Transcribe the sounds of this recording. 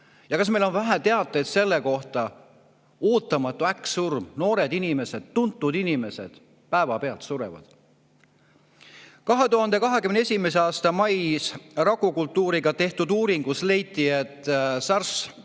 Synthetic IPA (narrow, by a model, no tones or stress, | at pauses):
jɑkɑs̬me̞jlo̞nvæɦæt̪e̞ɑt̪ˑːeet̪se̞lːe̞ko̞ht̪ɑ | oːt̪ːˑɑmɑt̪ːˑuæksurmno̞ːɾe̞d̪inime̞se̞d̪̥t̪unt̪ːˑud̪inime̞se̞̰d̪̥ | pæevɑpe̞ɑlt̪suɾḛvɑ̰d̪̥ | kɑɦe̞t̪uɦɑnd̪̥e̞kɑɦe̞kymneesʲime̞s̬eɑːst̪ɑmɑjsrɑkːukult̪ːuːɾiɡ̥ɑt̪e̞ht̪ud̪uːɾiŋɡ̥usle̞jt̪ːˑiet̪ːˑsɑrs